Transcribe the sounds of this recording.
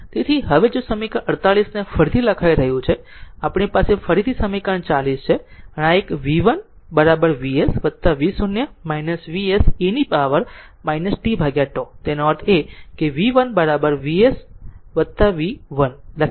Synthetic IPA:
t̪et̪ʰiɦəʋed͡ʒosəmikəʔəɾt̪aɭisnefəɾit̪ʰiləkʰajɾəɦjũt͡ʃʰe | apɳipasefəɾit̪ʰisəmikəɳt͡ʃalist͡ʃʰeənaekʋiʋən | bəɾabəɾʋiesʋət̪ːaʋisunjəmainəsʋiesinipaʋəɾ | mainəsʈibʱaɡjaʈot̪enɔʈʰekeʋiʋənbəɾabəɾʋiesʋət̪ːaʋiʋənlə

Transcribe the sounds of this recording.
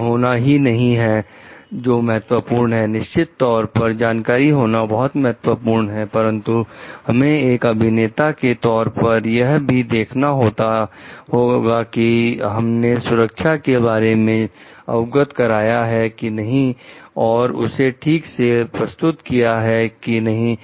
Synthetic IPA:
ɦoːnaɦinɐɦĩɦɛ | d͡ʒoːmɐɦət̪wəpuːɾnɦɛnɪʃt͡ʃɪt̪ːɔːɾpɐɾd͡ʒaːnkaːɾiɦoːnabɐɦʊt̪mɐɦət̪wəpuːɾɳɦɛpɐɾə̃nt̪uhɐmẽeːkɐbʱɪneːt̪aket̪ɔːɾpɐɾjɐɦbʱid̪eːkʰnaɦoːt̪aɦoːɡakiɦɐmnesʊɾəkʃʰakeβaːɾemẽ | ɐ̰ʋʊɡət̪kɐɾaːjaɦɛkinɐɦĩɔːɾʊ̰seʈʰiːksepɾɐst̪ʊt̪kijaɦɛkinɐɦĩ

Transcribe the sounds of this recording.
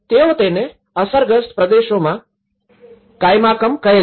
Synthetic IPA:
t̪eot̪ene | əsəɾɡəst̪pɾəd̪eʃomã | kajmakəmkəɦe

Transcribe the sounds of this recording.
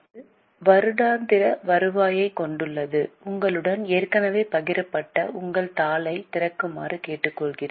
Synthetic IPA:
ʋɐɾɯɽaːnd̪ɪɾɐʋɐɾɯʋaːjɐɪkɔɳɖɯɭːɐðɯʊŋɡɐɭɯɽɐneːrkɐnɐʋeːpɐɣɪɾɐpːɐʈːɐ̰ʔʊŋɡɐɭt̪aːlɐɪt̪ɪrɐkːɯma̰ːrɯkeːʈːɯkːɔɭɣɪrɐ

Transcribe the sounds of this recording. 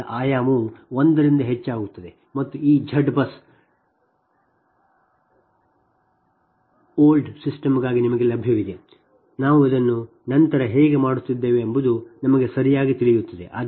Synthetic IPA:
ɐʔaːjaːmuond̪ɐɾind̪ɐɦet͡ʃːaːɡut̪ːɐd̪e | mɐt̪ːuiːd͡ʒʱɐɖbɐs | oːlɖsisʈɐmɡaːɡinimɐɡelɐbʱjɐʋid̪e | naːʋuɐd̪ɐnːu | nɐnt̪ɐɾɐɦeːɡe̞maːɽut̪ːid̪ːe̞ːʋeɐmbud̪unɐmɐɡesɐɾijaːɡit̪iɭijut̪ːɐd̪ḛʔa̰ː

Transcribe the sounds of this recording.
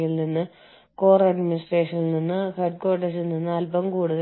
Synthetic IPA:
jillninːɨ | ko̞ːrɐɖminisʈreːʂɐnilninːɨheɖ̚ko̞ːʈes̬ilninːɨɐlbɐmkuːɽuɣɐ

